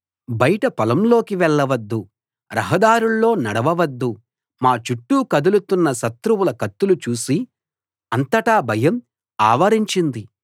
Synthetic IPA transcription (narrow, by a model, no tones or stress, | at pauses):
bɐjɐʈɐpɐlɐmlo̞ːkiʋɛɭːɐʋɐd̪ːu | ɾɐɦɐd̪aːɾuɭːo̞ːnɐɽɐʋɐʋɐd̪ːu | maːt͡ʃuʈːuːkɐd̪ulut̪unːɐʃɐt̪ɾuwulɐkɐt̪ːulut͡ʃuːsi | ɐnt̪ɐʈaːbʱɐjɐm | aːʋɐɾiɲt͡ʃind̪i